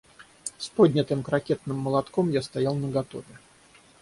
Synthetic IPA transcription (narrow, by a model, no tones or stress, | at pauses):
spo̞dʲnʲət̪ɨmkɾɐkʲet̪̚nɨmːəlˠɐt̪komjast̪ɐjalˠnəɡɐt̪o̞vʲɪ